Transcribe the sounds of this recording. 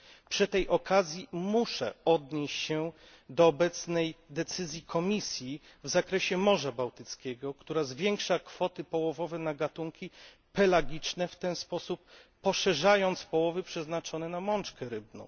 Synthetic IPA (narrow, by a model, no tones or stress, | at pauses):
pʂɘt̪ɛjʔɔkʰazʲjimuʂɛ̰ɔd̪ɲeɕt͡ɕɕɛ | d̪ɔːbɛt̪snɛjd̪ɛt̪sɘzʲjikʰɔmʲisʲjivzakɾɛɕɛmɔʐabawt̪ɘt̪skʲɛɡɔkt̪uɾazvʲjɛŋkʂakfɔt̪ɘpɔwɔvɔvɛnaɡat̪uŋkʲi | pɛlaɡʲit͡ʂnɛft̪ɛnspɔsupː | ɔʂɛʐajɔnt̪spɔwɔvɘpʂɛznat͡ʂɔnɛnamɔnt͡ʂkɛɾɘbnɔ̰̃w̃